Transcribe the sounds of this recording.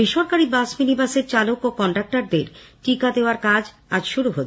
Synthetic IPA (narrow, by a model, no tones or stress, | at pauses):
biʃɔɾkaɾibasminibaseɾt͡ɕalokokɔɳʈak̚ʈaɾd̪eɾʈikad̪eoaɾkad͡ʑ | ad͡ʑʃuɾuɦotː